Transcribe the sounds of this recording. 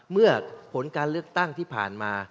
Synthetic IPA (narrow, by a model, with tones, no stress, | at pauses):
mɯ˥˩ɐpʰo˩˦nkaː˧nlɯ˥˩ək̚t̪a˥˩ŋt̪ʰiː˥˩pʰa̰ː˨˩nmaː˧